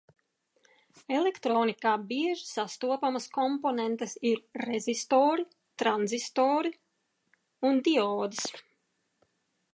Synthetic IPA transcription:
ɛlɛkt̪ɾɔːnikaːbiɛʒi̥sast̪uɔpamɐskɔmpɔnɛnt̪ɛsiɾːezʲist̪oːɾi | t̪ɾanzist̪oːɾi | und̪iɔːd̪is

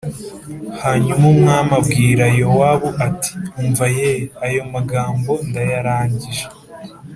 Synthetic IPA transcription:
haːɲumumŋaːmabɡiːɾajowaβuʔati̥uːɱvajeajo̞maɡaːmbo̞ndajaɾaːɲɟiʒe

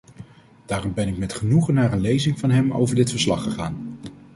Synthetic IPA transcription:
d̥aːrɔmbɛnɪk̚mɛtχənuχənːaːɹənlejzɪŋvɑnɦɛmo̰wvəɹdɪtfəɹslɑχːəχaːn

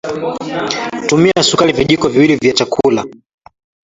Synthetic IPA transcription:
tumiasukaliviʄikɔviwilivjat͡ʃakʰula̰

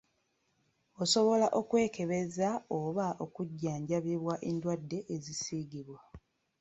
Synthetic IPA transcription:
oso̞βo̞laʔo̞kwe̞ːke̞βe̞zaoβaʔo̞kuɟːaːɲɟaβiβwaʔendwadːe̞ʔezisiɡiβwa

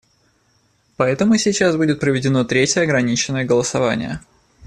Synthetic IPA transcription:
pɐɛt̪əmʊsʲɪt͡ɕasbudʲɪt̪̚pɾəvʲɪdʲɪno̞t̪ɾʲetʲjəɐɡɾɐnʲit͡ɕɪnːəjəɡəlˠəsɐva̰nʲɪ̰jə̰

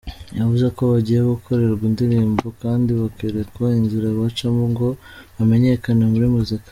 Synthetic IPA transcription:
javuzeko̞βaɟijeβoɡukʰo̞ɾe̞ɾɡwindiɾiːmbo̞kaːndiβakiɾekwainziɾaβat͡ʃamuŋɡo̞βame̞ɲe̞kanemuɾimuzika

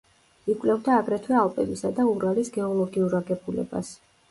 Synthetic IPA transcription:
ikʼvlɛvd̪aːɡɾɛt̪ʰwɛalˠpʼɛbisad̪auɾalisɡɛɔlˠɔɡiuɾaɡɛbulɛ̰ba̰s

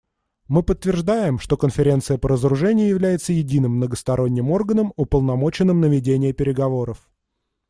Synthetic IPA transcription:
mɨpət̪ːvʲɪrʐd̪ajɪmʂt̪o̞kənfʲɪɾʲe̞nt̪sɨjəpəɾəzəɾʊʐɛnʲɪjʊjɪvlʲæjɪt̪səjɪdʲinɨmːnəɡəst̪ɐɾʔo̞nʲːɪmo̞rɡənəmʊpəlˠnɐmo̞t͡ɕɪnːɨmnəvʲɪdʲenʲɪjəpʲɪɾʲɪɡɐvo̞ɾəf

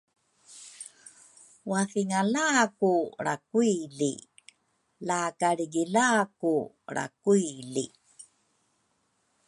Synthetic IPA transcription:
wafiŋalakuɾa̰kuilḭ | lakaɭiɡilaku | ɾa̰kuilḭ

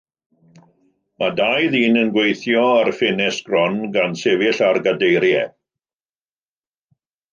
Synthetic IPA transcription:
madajðiːnənɡwejθjɔarfɪnɛsɡ̥rɔnɡansevɪɬarɡadejɾjɛ̰

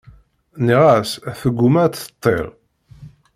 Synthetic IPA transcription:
niʁæsθəɡʷːʊmæt͡sə̥t̪ˤːḛʁ

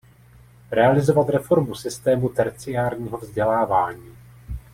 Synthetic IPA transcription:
ɾɛalɪzo̞vat̪ɾɛfo̞ɾmusɪst̪ɛːmut̪ɛɾt͡sɪjaːɾɲiːɦo̞vzɟɛlaːvaːɲiː

